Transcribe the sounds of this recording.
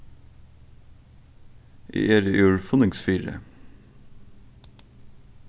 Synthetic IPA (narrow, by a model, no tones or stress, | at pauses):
ʔḭːʔeːɾəʔʉːɹfʊnɪŋsfiːɾə̰